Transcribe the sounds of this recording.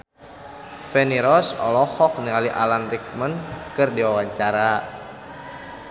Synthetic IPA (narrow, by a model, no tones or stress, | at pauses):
fɛniɾɔsɔ̰lɔhɔk̚niŋaliʔalanrik̚mənkɨrdiwawaɲt͡ʃaɾa